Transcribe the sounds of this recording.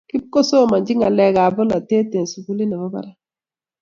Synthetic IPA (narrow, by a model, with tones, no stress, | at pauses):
ki˦b̚ko˦so˦˨ma˨d͡ʒɪ˦ŋa˨lɛ˨ɡa˨bɔ˦la˨te˦te˨n˨su˨ɡu˦li˦na˨ba˦ba̰˨ɾa˦